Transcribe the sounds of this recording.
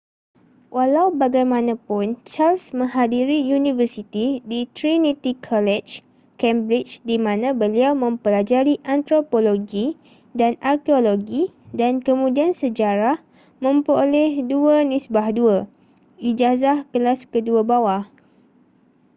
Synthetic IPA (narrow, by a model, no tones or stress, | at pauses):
wʔalawbaɡajmãnãpʊnt͡ʃalsmə̃ŋɦadiɾijunĩvərsit̪idit̪ɾinit̪ikʰɔlɛd͡ʒ | kɛmbɾit͡ʃdimãnãbəliawmə̃mpəlad͡ʒaɾiʔant̪ɾopoloɡi | danarkeoloɡidankəmũdiansəd͡ʒaɾah | mə̃mpɾolɛhduənisbahduə | id͡ʒazahkəlaskəduəbawah